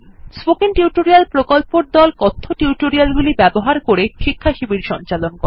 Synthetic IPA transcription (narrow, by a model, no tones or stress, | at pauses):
spokinʈiwʈoɾialpɾokolpoɾd̪ɔlkɔt̪ʰːoʈiwʈoɾialɡulibɛboɦaɾkoɾeʃikʰːaʃibiɾʃɔnt͡ɕalonkɔɾe